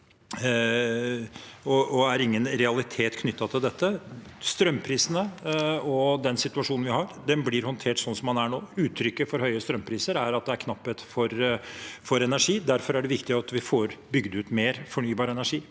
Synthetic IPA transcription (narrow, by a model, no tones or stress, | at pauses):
ɔɔæɾɪŋːənɾɛɑlɪt̪ʰeːt̪kʰnʏt̪ːɑt̪ʰɪld̪ɛt̪ːə | st̪ɾœmːpʰɾiːsənəɔd̪ɛnsɪt̪ʉɑʂuːnn̩ʋɪhɑɾd̪ɛnblɪɾhɔnt̪ʰeːʈsɔnsɔmːɑnæɳoːʉːt̪ʰːɾʏkːəfɔɾhœʏəst̪ɾœmpʰɾiːsəɾæɾɑt̪̚d̪ɛæɾkʰnɑpːət̪fɔɾ | fɔɾɛnæʂiːd̪æɾfɔɾæɖɛʋɪkt̪ɪɑt̪ʋɪfoːɾbʏɡd̪ʉːt̪meːɾfɔɳyːbɑːɾəɛnæʂiː